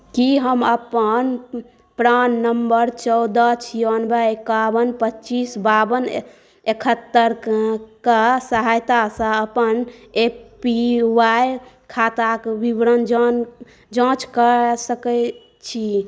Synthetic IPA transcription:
kiɦəməpən | pɾanːəmbəɾt͡ʃɔwd̪ət͡ʃʰijənbəekabənpətːt͡ʃisbabən | ekʰət̪ːəɾkasəɦajt̪asə̃əpənepiwaj | kʰat̪akbibɾənd͡ʒn | d͡ʒə̃t͡ʃkəsəkə | t͡ʃʰi

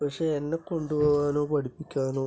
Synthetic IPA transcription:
pɐkʂeːenːekːo̞ɳɖupoːʋaːnoːpɐɽipːikʲːaːnoː

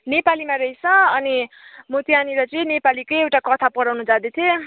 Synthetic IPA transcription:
nepalimaɾʌit͡sʰʌʌni | mut̪ijaniɾʌt͡sʌĩnepalikʌjewʈakʌt̪ʰapʌɽawnud͡zad̪et̪ʰijo

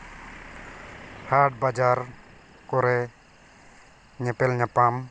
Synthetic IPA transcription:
haʈ̚bad͡ʒaɾ | kɔɾɛ | ɲɛpɛlɲapam

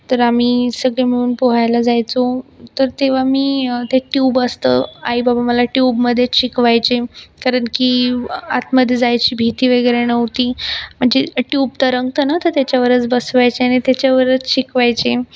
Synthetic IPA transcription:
t̪əɾamisəɡɭeməɭ̃uːnpoɦajlad͡zajt͡sot̪əɾt̪eʋ̤amiːt̪eʈjuːbəst̪ə̰ːa̰ɦibabaməlaʈjubməd̪ʱːjet͡sɕikʋajt͡ɕekaɾəɳkia̰t̪məd̪ʱjed͡zajt͡ɕiːbʱit̪iːʋeɡəjɾenəʋt̪iːm̤əɳd͡zeʈjub̚t̪əɾəŋɡt̪ənat̪əɾt̪jat͡ɕjaʋəɾət͡sbəsʋajt͡ɕeaɽ̃it̪jat͡ɕjaʋəɾət͡sɕikʋajt͡ɕe

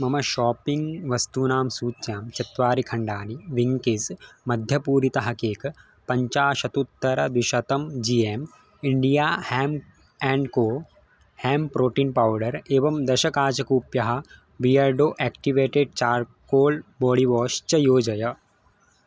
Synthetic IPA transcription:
mɐmɐʃɔːpiŋɡʋɐst̪uːnaːmsuːtːjaːmt͡ʃɐt̪ʋaːɾikʰɐɳɖaːniʋiŋkesmɐd̪ʱjɐpuːɾit̪ɐɦɐkeːk | pɐɲt͡ʃaːʃɐt̪ut̪ːɐɾɐd̪ʋiʃɐt̪ɐmd͡ʒiːeːm | ɪɳɖijaːhɛːm | ɛ̃ːɳɖkoː | hɛːmpɾoːʈiːnpaːwɖɐɾeːʋɐmd̪ɐʃɐkaːt͡ʃɐkuːpjɐɦɐ | ʋijaːɾɖoːʔɛːkʈiʋeːʈeɖ̚t͡ʃaːɾkoːlbɔːɽiʋɔːʃt͡ʃɐjoːd͡ʒɐjɐ

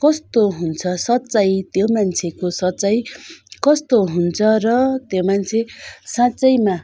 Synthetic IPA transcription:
kʌst̪oɦunt͡sʰʌsʌt͡sajt̪jomant͡sʰekosʌt͡sajkʌst̪oɦunt͡sʰʌrʌt̪jomant͡sʰesãt͡sʌjma

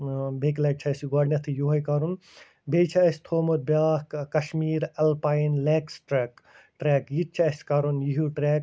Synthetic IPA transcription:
beklɐːk̚t͡ʃʰɐɐsiɡaːɖnɐt̪ʰijuːɦɐjkɐɾun | beːt͡ʃʰɐɐsʲt̪ʰoːmot̪̚bjaːkkɐʃmiːɾɐlpaːjnleːksʈɾeːk | ʈɾeːkjit̪̚t͡ʃʰɐɐsʲkɐɾunjiɦuʈɾeːk̚

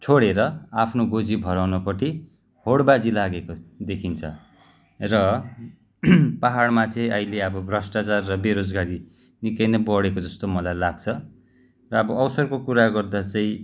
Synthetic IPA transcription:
t͡sʰoɽeɾʌapʰnoɡod͡zibʱʌɾawnʌpʌʈʰi | hoɽbad͡zilaɡekod̪ekʰint͡sʰʌ̰ | rʌ | paɦaɽmat͡sʌĩʌileʌbʌbʱrʌsʈat͡sarːʌbeɾod͡zɡaɾi | nikʌjnʌbʌɽekod͡zʌst̪omʌlajlaɡt͡sʰʌ | rʌʌbʌːwsʌrkokuɾaɡʌrd̪at͡saĩ

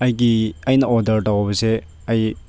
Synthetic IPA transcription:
ɐjɡiɐjnɐɔdɐɾtɐwɐbɐse | ɐj

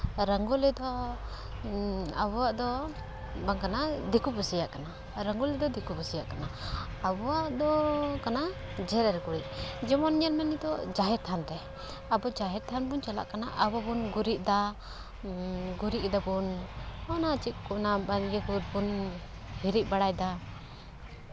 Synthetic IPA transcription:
ɾaŋɡulɛd̪ɔ | a̰bɔwaʔd̪ɔ | baŋkanad̪ikubusijaʔkana | ɾaŋɡulɛd̪ɔd̪ikubusijaʔkana | abɔwaʔd̪ɔkana | d͡ʒɛɾɛɾɡuɾiʔ̚d͡ʒɛmɔnɲɛɾmɛnid̪ɔd͡ʒaɦɛɾt̪ʰanɾɛ | abɔd͡ʒaɦɛɾt̪ʰanbunt͡ʃala̰ʔkanaʔabɔbunɡuɾiʔ̚d̪a | ɡuɾiʔd̪ɔbunɔnat͡ʃiʔ̚kunabanɡɛkuɾ̚bun | hiɾiʔ̚ˀbaɽajd̪a

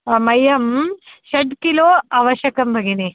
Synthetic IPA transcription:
ɐmɐjɐmʃɐɖkiloːaʋɐɕjɐkɐmbʱɐɡini

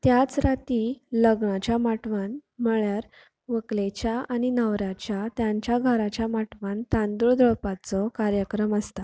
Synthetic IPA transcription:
t̪jat͡sɾat̪iləɡɳat͡ɕjamaʈʋanməɭjaɾ | ʋəklet͡ɕjaañinəʋɾat͡ɕjat̪jaɲt͡ɕjaɡʱəɾat͡ɕjamaʈʋant̪ãnd̪uɭd̪ɾəɭpat͡sɔkaɾjəkɾəməst̪a

